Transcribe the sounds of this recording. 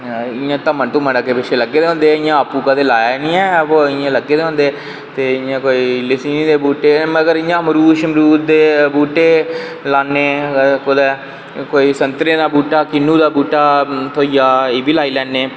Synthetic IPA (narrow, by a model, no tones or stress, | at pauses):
ɪjãːt̪əmə̃nt̪ũːməɳəkeːpɪt͡ʃʰeːləɡːeːd̪eːɦõːnd̪eːɪjãːəpːuːkət̪eːlaːjanĩːɛ̃ːoːɪjãːləɡːeːd̪eːɦõːnd̪eː | t̪eːɪjãːkoːiːlɪsiːnĩːd̪eːbuːʈeːməɡəɾɪjãːmɾuːʃəmɾuːtd̪eːbuːʈeː | laːnːeːkʊd̪ɛː | koːiːsənt̪ɾẽːd̪aːbuːʈːaːkɪnːũːd̪aːbuːʈːaːt̪ʰoːijaːeːbiːlaːiːlɛːnːeː